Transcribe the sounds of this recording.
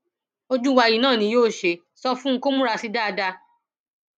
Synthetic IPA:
o˧d͡ʒu˦wa˧ji˦˨nãː˦˨nĩ˨˦joː˦˨ʃe˧ | sɔ˧fũ˦ko˦mũ˦ɾa˧si˧da˦˧da˧

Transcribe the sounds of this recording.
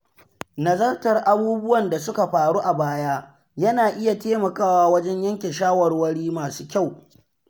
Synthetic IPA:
nɐ˨zɐ˦rtɐ˨rʔa˦buː˦bʊ˦wɐ˨nda˨sʊ˦ka˨ɸaː˨ɽuː˦ʔa˨baː˦jaː˦ | jɐ˦naː˨ʔɪ˦ja˨teː˦mɐ˨kaː˦waː˦wɐ˦d͡ʒɛ˦ɲjɐ˦ŋkʲɪ˨nʃaː˦wɐ˨rwɐ˦ɽiː˦maː˨suː˦kʲa˦˨w

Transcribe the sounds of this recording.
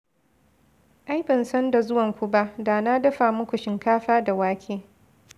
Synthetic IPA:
ʔa˦jbɐ˨nsɐ˦nda˨zʊ˦wɐ˨ŋkʷu˦ba˦ʔda˨na˦dɐ˦ɸa˨mʊ˦kʷu˨ʃɪ˨ŋkaː˦ɸaː˦da˨waː˦kʲʰeː˦

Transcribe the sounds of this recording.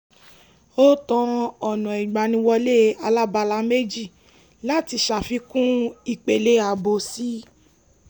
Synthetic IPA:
o˦tɔ̃˧ɔ˨nɔ̃˨i˨ɡ͡ba˨nĩ˧wɔ˧le˦a˧la˦ba˧la˧˦me˦d͡ʒi˦˨ | la˦ti˧˦ʃa˨fi˧˦kũ˦i˦˨k͡pe˨le˦a˨bo˨˦si˦

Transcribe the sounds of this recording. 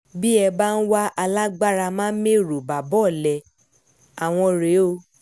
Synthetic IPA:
bi˦ɛ˧ba˦˧n̩˦wa˦ʔa˧la˦ɡ͡ba˦ɾa˧mãː˦n̩˦mẽ˦˨ɾo˨ba˨bɔ˦˨lɛ˨ | a˨w̃ɔ̃˧ɾe˨˦o˧

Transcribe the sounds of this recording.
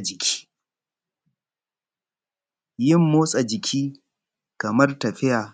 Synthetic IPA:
d͡ʒɪ˨kʲʰi̥ː˦ | jɪ˦mːoː˦sʼa˨d͡ʒɪ˨kʲʰiː˦ | kɐ˨mɐ˦rtɐ˨ɸɪ˦jaː˨

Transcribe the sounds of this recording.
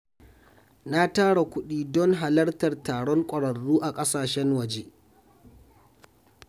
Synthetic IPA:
na˦taː˦ɽa˨kʷʊ˦ɗiː˦dɔ˦ŋɦa˨lɐ˦rtɐ˨rtaː˨ɽɔ˦ŋkʷʼɐ˨ɽɐ˨rːuː˦ʔa˨kʼɐ˦saː˨ʃɛ˦ŋwɐ˨d͡ʒe˦

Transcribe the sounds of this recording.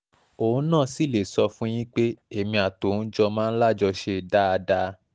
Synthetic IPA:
o˨ũ˦nãː˦˨si˦˨le˨sɔ˧fũ˦j̃ĩ˦k͡pe˦e˦˨mĩ˧a˨to˨˦n̩˦d͡ʒɔ˧mãː˦n̩˦la˦˨d͡ʒɔ˧ʃe˧da˦a˧da˧

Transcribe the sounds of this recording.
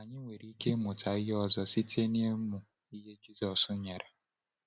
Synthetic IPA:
a˨ɲɪ˦ŋʷe˨ɾi˦ke˦mʊ˨tʰa˨ɪ˦ɔ˦zɔ˦si˦tʰe˦ni˦e˦mʊ˨ | i˦ɦe˦d͡ʒi˦zɔ˨sʊ˦ɲe˨ɾe˨

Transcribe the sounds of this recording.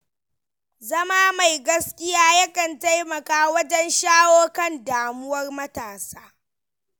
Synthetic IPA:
zɐ˦maː˦ma˨jɡɐ˦skʲɪ˦jaː˦jɐ˦kɐ˨nta˦jmɐ˨kaː˦wɐ˦d͡ʒɛ˦nʃaː˦woː˦kɐ˦˨ndaː˨mʊ˦wɐ˦rmɐ˦taː˨saː˦

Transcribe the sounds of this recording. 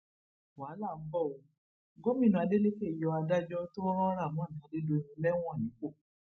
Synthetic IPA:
waː˨˦la˦˨m̩˦bɔ˦˨o˧ | ɡo˦mĩ˦˨nũ˧a˧de˦le˦ke˦˨jɔ˧a˧da˦d͡ʒɔ˦to˦ɔ˦ɾ̃ɔ̃˦ɾa˦˨mɔ̃˨˦n̩˨tã˨˦de˦do˧i˧ɾĩ˧lɛ˦w̃ɔ̃˦˨nĩ˨˦k͡po˦˨

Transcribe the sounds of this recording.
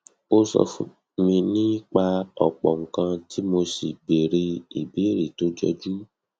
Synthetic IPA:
o˦sɔ̰˧fũ˨ | mĩ˧nĩ˦k͡pa˧ɔ˨k͡pɔ˨ŋ̩˨kã˧ti˦mo˧si˨be˨ɾe˧i˨be˨˦ɾi˨to˨˦d͡ʒɔ˧d͡ʒu˦

